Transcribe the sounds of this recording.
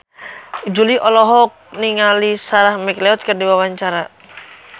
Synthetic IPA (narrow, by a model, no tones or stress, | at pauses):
d͡ʒuliʔɔlɔɦɔk̚niŋalisaɾahmiklɛɔt̪̚kərdiwawaɲt͡ʃaɾa